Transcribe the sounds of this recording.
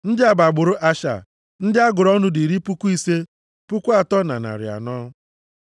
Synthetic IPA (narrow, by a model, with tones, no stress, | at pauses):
n̩˦dɪ˦a˨ba˨ɡ͡bʊ˨ɾʊ˦ʔa˦ʃa̰˨ | n̩˦dɪ˦a˦ɡʊ˨ɾɔ˦nʊ˦di˨ɾi˦pu˦kʷu˦i˦se˦ | pu˦kʷu˦a˨tɔ˦na̰˨na̰˨ɾɪ̰˨a̰˨nɔː˦